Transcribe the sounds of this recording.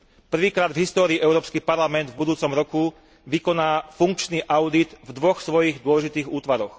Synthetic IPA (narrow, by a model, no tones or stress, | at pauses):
pr̩ʋiːkɾaːd̪vɦist̪ɔːɾiːʔɛʊɾɔːpskipaɾlamɛnd̪vbud̪uːt͡sɔmɾɔku | ʋikɔnaːfuŋk̚t͡ʃniːʔaʊd̪id̪vd̪ʋɔxsʋɔjiɣd̪ʊɔlɛʒit̪iːɣuːt̪ʋaɾɔx